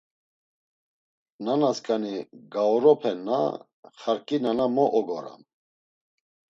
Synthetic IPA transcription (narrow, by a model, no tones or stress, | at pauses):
nanaskʼaniɡaɔɾɔpʰɛnːa̰ | χaɾkʼinanamɔʔɔɡɔɾa̰m